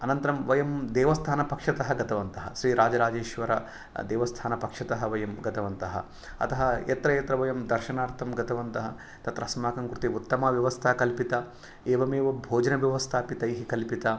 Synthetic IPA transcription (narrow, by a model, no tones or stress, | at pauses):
ɐnɐnt̪ɐɾɐmʋɐjɐmd̪eːʋɐst̪ʰaːnɐpɐkʂɐt̪ɐɦɐɡɐt̪ʰɐʋɐnt̪ɐɦɐ̰ʃɾiːɾaːd͡ʒɐɾaːd͡ʒeːʃʋɐɾɐ | d̪eːʋɐst̪ʰaːnɐpɐkʂɐt̪ɐɦɐʋɐjɐmɡɐt̪ʰɐʋɐnt̪ɐɦɐ̰ | ɐ̰t̪ɐɦɐjḛt̪ɾɐjet̪ɾɐʋɐjɐmd̪ɐɾʃɐnaːɾt̪ʰɐmɡɐt̪ʰɐʋɐnt̪ɐɦɐ | t̪ɐt̪ɾɐsmaːkɐmkɾut̪iut̪ːɐmaːʋjɐʋɐst̪ʰaːkɐlpit̪ɐ | eːʋɐmeːʋɐbʱoːd͡ʒɐnɐʋjɐʋɐst̪ʰaːpit̪ɐjɦikɐlpit̪ɐ